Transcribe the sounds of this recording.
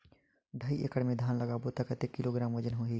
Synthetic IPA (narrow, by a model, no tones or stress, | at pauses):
ɖʱəiʔḛkəɽmẽd̪ʱaːnləɡaboːt̪akət̪ekɪloɡɾaːmʋəd͡ʒənɦoːɦiː